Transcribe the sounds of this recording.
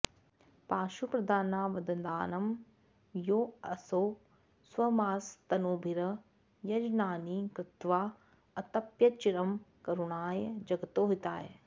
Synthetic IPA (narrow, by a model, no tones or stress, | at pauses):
paːʃupɾɐd̪aːnaːʋɐd̪ɐnd̪aːnɐm | joːɐsoː | swɐmaːst̪ɐnoːbʱiɾɐ | jɐd͡ʒnaːnikɾɪt̪ʋaː | ɐt̪ɐpjɐt͡ʃiɾɐmkɐɾuɳaːjd͡ʒɐɡɐt̪oːɦit̪aːḛ